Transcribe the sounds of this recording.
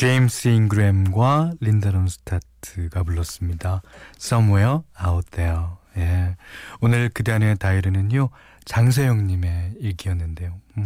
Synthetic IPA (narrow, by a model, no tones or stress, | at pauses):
t͡ɕe̞imsʰɯinɡɯɾemɡwalindʌnonsʰɯ̥tʰatʰɯɡapuɭːʌs͈ɯmɲidasʌmejʌaot͈ejoje̞onɯɭkɯdeɦanetaiɾɯnɯnjo | t͡ɕaŋs̬ʰejoŋɲime̞iɭɡijʌnːɯnde̞jo